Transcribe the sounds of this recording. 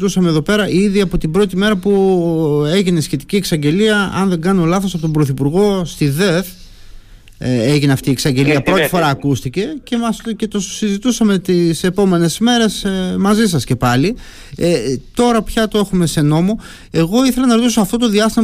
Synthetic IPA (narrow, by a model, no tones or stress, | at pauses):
t̪usɐme̞ðo̞pe̞ɾɐʔiðiɐpo̞t̪ibɾo̞t̪ime̞ɾɐpu | e̞ʝine̞sçe̞t̪i̥cie̞ksɐɲɟe̞liɐɐ̰nðe̞ɡɐnolɐθosɐpot̪o̞mbɾo̞θipuɾɣo̞st̪iðe̞θ | eʝineɐft̪iːeksɐɲɟe̞liɐpɾo̞t̪ifo̞ɾɐːkust̪ice̞ce̞mɐscet̪o̞sizit̪usɐme̞t̪ise̞po̞me̞ne̞sme̞ɾe̞smɐzis̬ɐsce̞pɐli | t̪o̞ɾɐpçɐt̪o̞e̞xume̞se̞no̞mo̞ | e̞ɣo̞iθe̞lɐnɐɾot̪isoɐft̪o̞t̪̬oðiɐst̪im